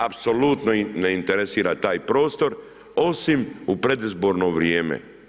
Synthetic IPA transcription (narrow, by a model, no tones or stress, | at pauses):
apso̞lut̪noneint̪eɾesiːɾat̪aːjpɾo̞ːst̪o̞ɾ | o̞simupɾe̞d̪izbo̞ɾno̞ʋɾjeːmḛ